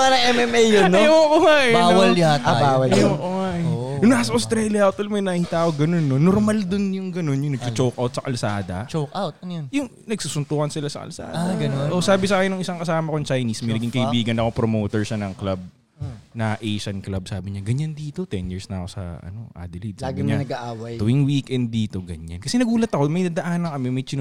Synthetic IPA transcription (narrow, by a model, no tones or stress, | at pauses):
paɾɐŋɛmɛmejonːooʔoŋaʔbawɐlt̪baːwɐljoʔoŋajʊnasɐʔost̪ɾɛljɐot̪olmɐjnɐhiːt̪aːkoɡɐno̞nːonoɾmald̪ʊnjʊŋɡɐnonjʊŋnɐɡt͡ʃʊt͡ʃowkʔawt̪sɐkɐlsaːd̪ɐt͡ʃokawt̪̚ɐnjonjʊŋ | nɐɡsusʊnt̪oːkɐnsɪlasɐ̰kɐ̰lsa̰ːdaɡɐnoosaːbɪs̬aːkɪnːʊŋʔɪsaŋkɐsaːmɐkot͡ʃajnismɐjnɐɡiŋkɐʔɪbiːɡɐnɐkopɾomoːt̪ɛɹʃɐnɐŋklab̚ | nɐʔejʃɐnklab̚saːbɪɲaɡɐɲand̪iːt̪o̞t̪ɛnjiɹsnɐko̞sɐ̰ʔɐ̰no̞̰ʔa̰ːd̪ɪlid̪saːbɡɪɲanɐɡaʔaːwɐj̪ɪŋwikʔɛnd̪̚ːiːt̪o̞ɡɐɲankɐsɛnɐɡuːlɐt̪ɐkomɐjd̪ad̪ɐʔaːnɐŋkɐmɛmɐjt͡ʃɪn